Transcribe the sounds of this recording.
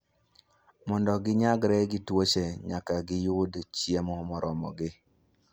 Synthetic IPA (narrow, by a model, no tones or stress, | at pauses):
mɔndɔɡɪɲaɡɾɛɡɪtwot͡ʃeɲakaɡɪjʊdt͡ʃjemɔmɔɾʔɔmɔ̰ɡɪ